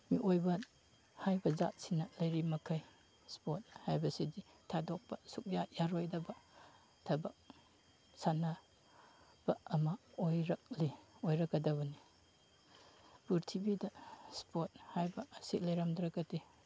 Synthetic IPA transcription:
miʔojbɐ | hajbɐza̰t̚sinɐlɐjɾimɐkʰɐj | spot̚hajbɐsidi | tʰadok̚pɐsuk̚jajaɾojdɐbɐ | tʰɐbɐ | sana | b̥ɐɐmɐojɾɐk̚liojɾɐkːɐdɐβɐni | puɾtʰibidɐspʰot̚hajbɐsit̚lɐjɾamdɾɐɡɐdi

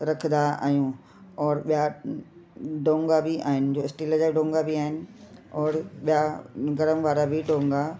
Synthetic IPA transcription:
ɾɐkʰənd̪aa̰ːijũː | ɔːɾɓija | ɖõːŋɡabʱɪʔa̰ːɦɪnɪ̆d͡ʑoːɪsʈiləd͡ʑaɖõːŋɡabiaːɦɪnɪ̆ɔːɾɓijaɡɐɾəmʋaːɾabɪɖõːŋɡa

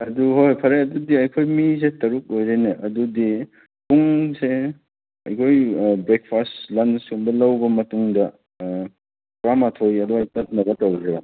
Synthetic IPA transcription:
ɐduɦojpʰɐɾeɐdudiɐjkʰojmisetɐɾuk̚ojɾeneʔɐdudi | puŋse | ɐ̰jkʰojbɾek̚pʰastlɐnsumbɐlɐwbɐmɐtuŋdɐ | kɾamatʰojɐduanɐt̚nɐɡɐtɐwdɾɐba

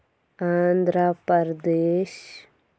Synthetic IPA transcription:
aːnd̪ɾapəɾd̪eːʃ

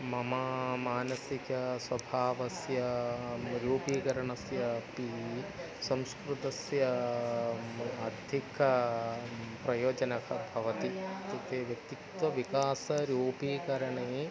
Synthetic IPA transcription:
mɐmɐmaːnɐsikɐswɐbʱaːʋɐsjɐ | ɾjoːpiːkɐɾɐɳɐsjɐpi | sɐ̃mskɾut̪ɐsjɐ | ɐd̪ʱikɐ | pɾɐjoːd͡ʒɐnɐkʰɐbʱɐʋɐt̪it̪ɐt̪eːʋjɐk̚t̪ikt̪wɐʋikaːsɐɾjoːpiːkɐɾɐɳe

